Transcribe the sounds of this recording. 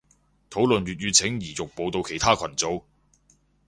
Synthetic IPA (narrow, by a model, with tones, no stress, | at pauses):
t̪ʰo˨˥wlɵ˨nɥyː˨˩t̚jyː˨˧t͡sʰɪ˨˥ŋjiː˨˩jʊ˨k̚po˧wt̪o˧wkʰe˨˩jt̪ʰaː˥kʰɐ˨˩nt͡so˧w